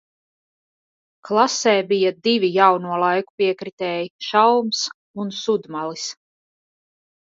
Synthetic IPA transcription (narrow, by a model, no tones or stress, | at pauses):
klˠasɛːbijad̪ivʲijawnuɔlˠajku̥piɛkɾit̪ɛːjiʃawms | unsud̪malis